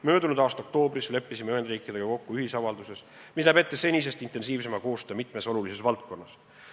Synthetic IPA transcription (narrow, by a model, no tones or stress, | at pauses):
mø̞ːd̪unud̪̥ɑːst̪o̞kt̪o̞ːbrisle̞pːisimeyhend̪riːkˑid̪eɡɑko̞kːuyhisɑvɑld̪use̞s | mislæbet̪ːˑese̞nʲis̬e̞st̪int̪ːˑe̞nsiːvs̬e̞mɑko̞ːst̪øːmit̪ˑmeso̞lulisesvɑlt̪̚ko̞nːɑs